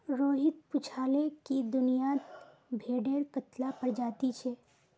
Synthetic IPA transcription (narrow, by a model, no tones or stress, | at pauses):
ɾoːɦɪt̪̚pʊt͡ʃʰaːlekid̪ʊnijat̪ | bʱeːɖeːɾkət̪lapɐɾd͡ʒaːt̪it͡ʃʰɛː